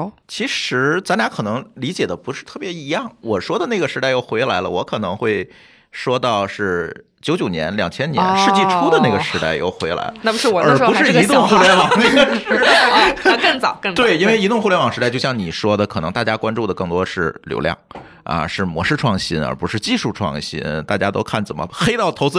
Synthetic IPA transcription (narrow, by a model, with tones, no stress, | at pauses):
t͡ɕʰi˧˥ʂɻ̩˧˥t͡sa˧˥nlja˧˥kʰɤ˨˩nɤ˧˥ŋli˧˥t͡ɕjɛ˨˩d̪ə˦pu˧˥ʂɻ̩˥˧t̪ʰɤ˥˩pjɛ˧˥i˧˥jɑ˥˩ŋwɔ˨˩ʂwɔ˥d̪ə˨na˥˩ɡə˩ʂɻ̩˧˥t̪a˥˧ɪjo˥˩ʊxwe˧˥ɪla˧˥ɪlə̰˧wɔ˧˥kʰɤ˨˩nɤ˧˥ŋxwe˥˩ɪ | ʂwɔ˥t̪ɑ˥˧ʊʂɻ̩˥˩t͡ɕjo˧˥ʊt͡ɕjo˨˩njɛ̰˧˥nljɑ˨˩ŋt͡ɕʰjɛ˥njɛ̰˧˥nʂɻ̩˥˧t͡ɕi˥˩ʈ͡ʂʰu˥d̪ə˨na˥˩ɡə˩ʂɻ̩˧˥t̪a̰˥˩ɪjo̰˥˩ʊxwe˧˥ɪla̰˧˥ɪa˥˩pʂɻ̩˥˩˨ə˞˧˥u˧˥ʂ̩˥˩˥t̪ʊ˥˧ŋxu˥˩ljɛ˧˥nwɑ˨˩na˥˩ɡə˩˥ | kə˥˩ŋt͡sɑ˨˩˦ʊkə˥˩t̪we˥˩ɪi˥nwe˥˩ɪi˧˥t̪ʊ˥ŋxu˥˧ljɛ˥nwɑ˨˩ŋʂɻ̩˧˥a˥˧ɪt͡ɕo˥˧ʊɕjɑ˥˩ŋni˨˩ʂwɔ˥d̪ə˨kʰɤ˨˩nɤ˧˥ŋt̪a˥˩t͡ɕja˥kwa˥nʈ͡ʂu˥˩d̪ə˩kɤ˥˩ŋt̪wɔ˥ʂɻ̩˥˩ljo̰˧˥ʊljɑ̰˥˩ŋ | a̰˧ʂɻ̩˥˩mwɔ˧˥ʂɻ̩˥˧ʈ͡ʂʰwɑ˥˩ŋɕḭ˥nə̰˞˧˥pu˧˥ʂɻ̩˥˧t͡ɕi˥˧ʂu˥˧ʈ͡ʂʰwɑ̰˥˩ŋɕḭ˥nt̪a̰˥˩t͡ɕja˥t̪o˥ʊkʰa˥˩nt͡sə˨˩mə̰˩xe˥ɪt̪ɑ˥˩ʊt̪ʰo˧˥ʊt͡sɹ̩˥